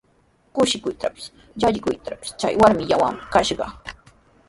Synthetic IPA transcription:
kʊʃɪkʊjt̪apɪ̥s | ʎaʎɪkʊjt̪apɪ̥st͡ʃa̰jwaɾmɪʎawa̰mɪkaʃɢɑ̰

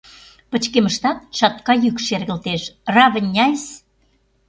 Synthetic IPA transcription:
pə̆t͡ɕkeməʃt̪ɑt̪ʃɑt̪̚kɑjykʃerɣə̆lt̪eʃrɑβə̆nʲːɑjs

